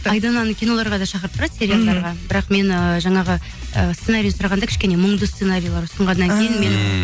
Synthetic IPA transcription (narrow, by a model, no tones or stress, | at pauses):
ɑjd̪ɑnɑnkʲʰijno̞lˠɑɾʁɑd̪ɑʃɑqəɾəp̚t̪ʊɾɑd̪sʲe̞ɾʲijalˠd̪ɑɾʁɑbɪɾɑqme̞nəʒɑɴɑʁə | ə̰st̪senaɾʲijsʊɾɑʁɑnd̪ɑkʲɪ̥ʃkʲe̞neməɴd̪əst̪senaɾʲijlˠɑɾʊst̪əɴʁɑnːɑŋkʲʰe̞jɪnme̞n